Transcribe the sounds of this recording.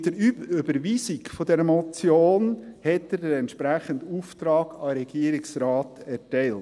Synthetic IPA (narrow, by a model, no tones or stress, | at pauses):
d̥əɾyybəɾʋiːsɪɡfodɛɾəmot͡sjoːnhɛtədəɛntʃpɾæχənduːft̪ɾɑːɡ̥ɑɾɛɡiəɾɪksɾɑːtɛtɛɪlt